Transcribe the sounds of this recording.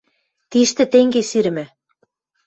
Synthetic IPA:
t̪iʃt̪ɘ̆t̪eŋɡesyɾɘ̆mɘ̆

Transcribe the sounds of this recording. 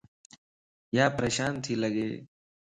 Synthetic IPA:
jaːpɾəɕaːnt̪ʰiːləɡeː

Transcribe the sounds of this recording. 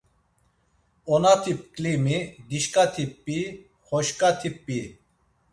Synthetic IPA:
ɔnat̪ʰip̚kʼlimid̪iʃkʼat̪ʰipʼːi | χɔʃkʼat̪ʰipʼːi

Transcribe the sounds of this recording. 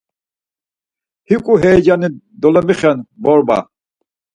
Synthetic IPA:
hikʼuɦɛːd͡ʒani | d̪ɔlɔmiχɛnbɔɾba̰

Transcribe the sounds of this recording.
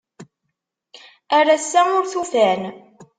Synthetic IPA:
æɾæsːæʊɾθufæn

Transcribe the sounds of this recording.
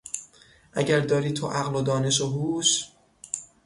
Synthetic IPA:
ʔæɟæɾd̪ɒːɾiːt̪ʰoʔæɣlod̪ɒːne̞ʃoɦuːʃ

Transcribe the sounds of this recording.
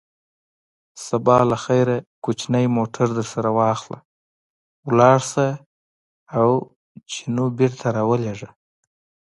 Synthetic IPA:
sabɑlaxajɾakut͡ʃnajmoʈʰaɾd̪əɾsaɾawɑxla̰ | wlɑɽsa | aw | t͡ʃʰinobeɾt̪ʰaɾɑwəleʐa

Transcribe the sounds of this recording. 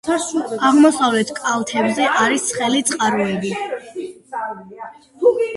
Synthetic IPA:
aʁmɔsavlɛt̪ʰkʼalˠt̪ʰɛbzɛʔaɾisχɛlit̪sʼqʼaɾɔɛbi

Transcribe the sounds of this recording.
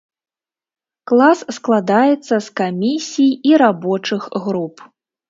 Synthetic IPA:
klˠassklˠad̪ajɛt̪sːɐskamʲisʲijiɾabɔt͡ʂɨxɣɾup

